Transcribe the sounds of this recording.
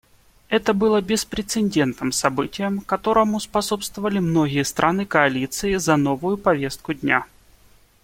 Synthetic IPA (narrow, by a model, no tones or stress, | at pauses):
ɛt̪əbɨlˠəbʲɪspɾʲɪt̪sɨnʲdʲe̞nt̪nɨmsɐbɨtʲɪjəmkɐt̪o̞ɾəmʊspɐso̞pst̪vəvəlʲɪmno̞ɡʲɪjəst̪ɾʔanɨkɐɐlʲit̪sɨɪzɐno̞vʊjʊpɐvʲe̞st̪̚kʊdʲnʲa